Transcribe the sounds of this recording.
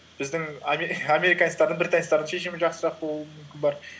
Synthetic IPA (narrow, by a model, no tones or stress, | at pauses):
b̥ɪzd̪ɪŋameamʲe̞ɾijkanst̪ɑɾd̪əɴbɪɾt̪ʰɑnst̪ɑɾd̪əŋʃe̞ʃ̬ɪmɪʒɑqsəʒɑq̪̚əbo̞lˠuuəmʏmkʲɪnbɑɾ